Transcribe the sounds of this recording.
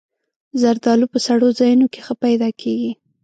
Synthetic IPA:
zaɾd̪ɑlupəsaɽozɑjunoke̥xəpajd̪ɑkʰeɡi

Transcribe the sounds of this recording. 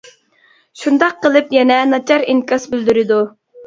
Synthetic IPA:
ʃund̪ɑqːəlˠɨpjɛnɛnɑt͡ʃʰɑɾinkʰɑsbyld̪yɾɪd̪u

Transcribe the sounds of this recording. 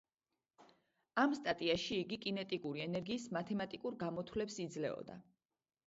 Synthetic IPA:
amst̪ʼat̪ʼiaʃiːɡikʼinɛt̪ʼikʼuɾiɛnɛɾɡiːsmat̪ʰɛmat̪ʼikʼuɾɡamɔt̪ʰwlɛpsid̪zlɛ̰ɔ̰d̪a̰

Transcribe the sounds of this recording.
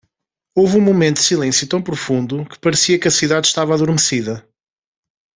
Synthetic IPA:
ovũmumẽnt̪ud̪silˠẽsjut̪ɐ̃w̃pɾufũnd̪ukɨ̥pɐɾsiɐkɐsiðaðʃt̪avaðuɾmɨsiðɐ

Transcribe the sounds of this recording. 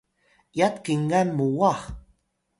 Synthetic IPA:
jat̪kiŋːanmuwɑχ

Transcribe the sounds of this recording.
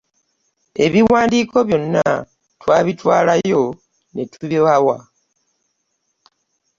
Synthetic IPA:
e̞βiwaːndiːko̞βjo̞nːa̰ | twaːβitwaːlajo̞ | netʰuβawa

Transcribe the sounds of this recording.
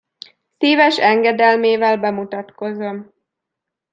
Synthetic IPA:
siːvɛʃɛŋɡɛd̪ɛlmeːvɛlbɛmut̪ɒt̪ko̞zo̞m

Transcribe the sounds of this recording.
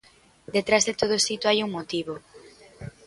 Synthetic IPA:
d̪et̪ɾazðet̪oð̞oesit̪uajuŋmot̪iβo

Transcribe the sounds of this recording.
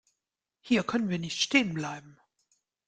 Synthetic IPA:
hiːɐkʰœnənviːɐnɪçtʃteːənblaɪbm̩

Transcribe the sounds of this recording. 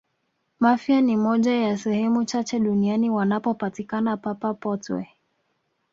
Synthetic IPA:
mafianimɔʄajasɛhɛmut͡ʃat͡ʃɛɗunianiwanapɔpatikanapapapɔtwɛ̰

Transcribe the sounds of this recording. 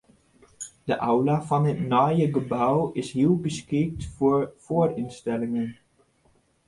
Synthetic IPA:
d̥əʔawlaːvɑnətnɔjəɡəbawɪsɦiəlˠbəskɪk̚tfʊːɹfoːrɪnstɛlɪŋən

